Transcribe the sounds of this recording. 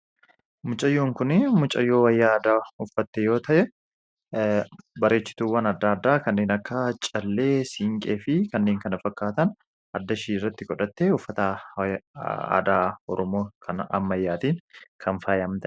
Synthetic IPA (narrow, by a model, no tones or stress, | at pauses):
mʊt͡ʃʼɐjːoːŋkʊnɪmʊt͡ʃʼɐjːo̞ːwɐjːaːd̪aːʊfːɐt̪ːɛjo̞ːt̪ɐʔɛ | bɐɾe̞ːt͡ʃːɪ̥t̪uːwɐnɐd̪ːaːd̪ːaːkɐnːe̞ːnɐkːɐt͡ʃʼɐlːe̞ːsiŋkʼeːfɪkɐnːe̞ːŋkɐnɐfɐkːaːt̪ɐn | ʔɐd̪ːɐʃiːɪrːɐt̪ːɪkɔᶑɐt̪ːeːʊfːɐt̪ɐ | a̰ːd̪aːɔɾɔmo̞ːkʰɐnɐ̰mːɐjːaːt̪iːnkʰɐnfaːjɐmt̪ɐʔ